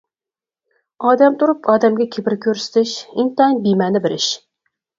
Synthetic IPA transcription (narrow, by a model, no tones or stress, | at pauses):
ɑːd̪ɛmt̪ʰʊɾupʰɑːd̪ɛmɡʲɛkʲʰebɪɾkʲʰøɾsɪ̥t̪ʰɪʃint̪ɛŋbimɛnɪbɪɾɪʃ